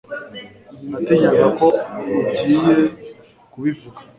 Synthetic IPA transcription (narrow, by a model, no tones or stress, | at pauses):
nateɟeɾezako̞ubɟiːje | kuβivuɡa